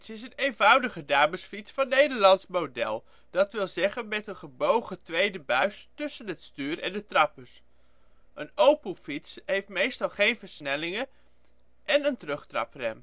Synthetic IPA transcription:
sɪs̬ənejnvʌwdəχədaːməsfitsfɑnːejdəɹlɑntsmowdɛ̰lˠ | d̥ɑtʋɪlˠzɛχənmɛtənχəbowχətʋejdəbœɥstɵsənɦətstyːɾɛndətrɑpəs | ʔənowpəfitsɦejftmejstɑlˠχejnvəɹsnɛlɪŋə | ʔɛnəntərɵχtrɑ̰prɛ̰m

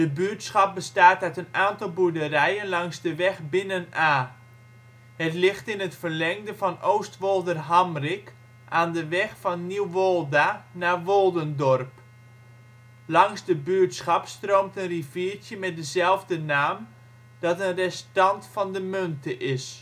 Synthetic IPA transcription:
dəbyətsχɑp̚bəstaːtœɥtənaːntɑlˠbudərɛjənlɑŋzdəʋɛxbɪnənaː | hətlɪxtɪnətfərlɛŋdəvɔnoːstʋolˠdərɦamrɪk | ʔaːndəʋɛxfɔnniwʋolˠdanaːʋolˠdəndɔrp | lɑŋzdəbyːtsχɑpstroːmtənriviərtjəmɛt̚dəzɛlˠvdənaːm | d̥ɔtənrɛstɑntfɑndəmøntəʔɪs

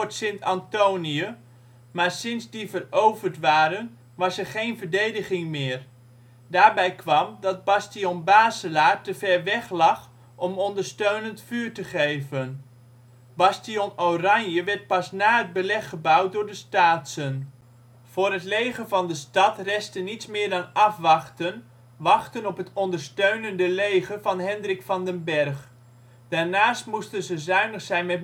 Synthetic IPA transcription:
ɹtsɪntɑntowniə | maːɹsɪnzdivərowvəɹtʋaːɾən | ʋɑsɛɹχejnvəɹdejdəχɪŋmɪːr | daːɹbɛjkʰʋɑmdɑd̚bɑstijonbaːzəlaːɹtəvɛɹʋɛχlɑχ | ʔɔmɔndəɹstøɥnəntfyːɹtəχejvən | bɑstiɔnorɑɲjəʋɛɹt̚pɑsnaːɦəd̚bəlɛχːəbʌwt̚dʊːɹdəstaːtsən | v̥ʊːrɦətlejχənvɑndəstɑtrɛstənitsmɪːɹdɑnɑfʋɑχtən | ʋɑχtənɔpɦətɔndəɹstøɥnəndəlejχəvɑnɦɛndrɪkfɑndənbɛrχ | d̥aːɹnaːstmustənzəzœɥnəχsɛjnmɛt̚

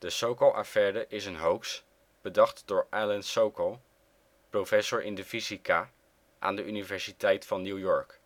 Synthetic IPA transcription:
d̥əsowkəlˠʔa̰fɛːdəʔɪsənɦowks | b̥ədɑχtd̥ʊːɹʔalənsowkəlˠ | profɛsʊɹʔɪndəfisika | ʔa̰ːndəʔynivɛɹsitɛjtfɑnːjuwjɔɹk

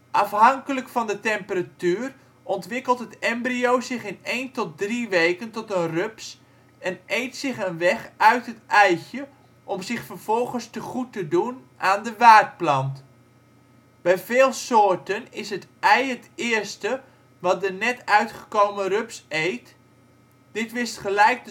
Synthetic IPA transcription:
ʔɑfɦɑŋkələkfɑndətɛmpəratyːr | ʔɔntʋɪkəlˠtɦətɛmbriowzɪχɪnejntɔt̚driʋejkəntɔtənrøps | ɛnejtsɪχənʋɛχœɥtɦətɛjxə | ʔɔmzɪχfərv̥ɔlˠχənstəχutədun | ʔaːndəʋaːt̚plɑnt | b̥ɛjvɪːlˠsoːtənɪsɦətʔɛjɦətɪːrstə | ʋɑt̚dənɛtœɥtχə̥kowmərɵpsejt | d̥ɪtʋɪstχəlɛjk̚də

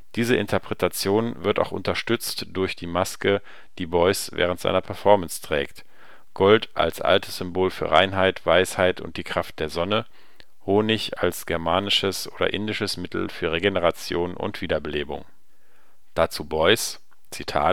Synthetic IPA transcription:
d̥iːzəʔɪntʰɐpʁ̥ɛtʰat͡sjoːnvɪɐta̰ʊxʔʊ̰ntɐʃtʏt͡std̥ʊɐçd̥iːmaskə | d̥iːbɔʏsvɛ̰ːʁ̞əntz̥a̰ɪnɐpʰɛɐfɔɐmənstʁ̥ɛ̰ːkt | ɡ̥ɔltʔa̰lsʔa̰ltəsz̥ʏmboːlfyːɐʁa̰ɪnɦaɪtv̥aɪshaɪtʊ̰nt̚d̥iːkʁ̥aft̚d̥eːɐzɔnə | hoːnɪça̰lsɡ̥ɛɐmaːnɪʃəsʔoːdɐ̰ʔɪndɪʃəsmɪtl̩fyːɐʁeɡenəʁ̞at͡sjoːnʊ̰ntv̥iːdɐbəleːbʊ̰ŋ | d̥at͡suːbɔʏs | t͡sitʰa̰ː

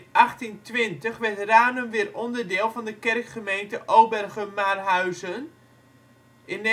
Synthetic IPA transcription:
ʔaχtintʋɪntəχʋɛrtraːnənʋɪrɔndərdɪːlˠvɔndəkɛrkχəmejntəʔowbɛrɣəmarɦaɥzən | ɪn

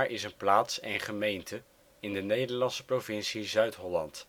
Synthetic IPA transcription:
ɹʔɪsənplaːtsɛnχəmejntʰə | ɪndənejdəɹlɑnsə̥provɪnsizœɥtɦɔlɑ̰nt

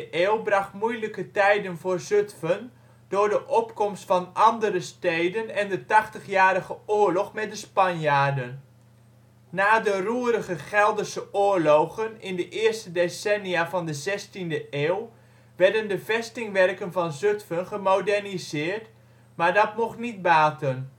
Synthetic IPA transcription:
ʔeːlˠbrɑχtmujləkətɛjdənvʊːɹzøtfən | d̥ʊːɹdəʔɔpkɔmstfɑnʔɑndərəstejdənɛndətɑχtəχjaːɾəɣəoːɹlɔχmɛt̚dəspɑnjaːdən | aːdəruːəɾəχəχɛlˠdərsəʊːɹloχənɪndəʔɪːɹstədesɛnijaːvɑndəzɛstindəʔeːw | ʋɛɹdəndəvɛstɪŋʋɛrkənvɑnzøtfənχəmodɛɹnizɪːɹt | maːɹdɑtmɔχnit̚baːtən

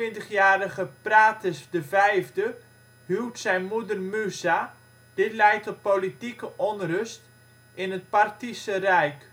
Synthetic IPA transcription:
ɪntəχjaːɾəχəpraːtəsdəvɛjvdə | ɦywtsɛjnmudərmysa | d̥ɪtlɛjtɔt̚politikəʔɔnrɵst | ɪnət̚partisərɛjk

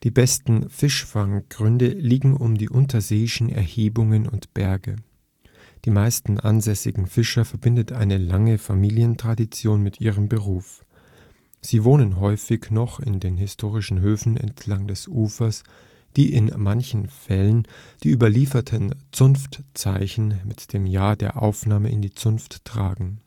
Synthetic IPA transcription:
d̥iːbɛstn̩fɪʃfaŋɡ̥ʁʏndəliːɡŋ̩ʊmdiːʔʊntʰɐzeːɪʃn̩ɛ̰ɐheːbʊŋənʊntb̥ɛɐɡə̰ | d̥iːmaɪstn̩ʔa̰nzɛsɪ̰ɡŋ̩fɪʃɐfɛɐbɪndətʔaɪnəlaŋəfamiːljəntʁ̥adit͡sjoːnmɪtʔiːʁ̞əmbəʁ̞uːf | z̥iːvoːnənɦɔʏfɪçnɔχɪndeːnɦɪstʰoːʁ̞ɪʃn̩ɦøːfn̩ɛ̰ntʰlaŋdɛsʔuːfɐs | d̥iːʔɪnmançn̩fɛlənd̥iːʔyːbɐliːfɐtʰənt͡sʊnftt͡saɪçn̩mɪtd̥eːmjaːɐdeːɐʔa̰ʊfnaːməʔɪ̰ndiːt͡sʊnftːʁ̥a̰ːɡŋ̩

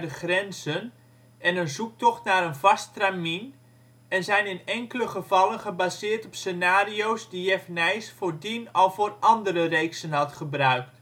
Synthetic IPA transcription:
dəχrɛnzən | ɛnənzuk̚tɔχtnaːɾənvɑstramin | ɛnzɛjnɪnɛŋkələχəvɑlˠənχəbazɪːrtɔpsenaːriowzdijɛfnɛjsfoːrdinɑlˠvoːrʔɑndərərejksənɦɑtχəbrœɥk̚t

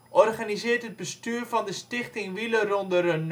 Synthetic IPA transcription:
ʔɔrχanizɪəɹtɦəd̚bəstyːrvɑndəstɪχtɪŋʋilərɔndərən

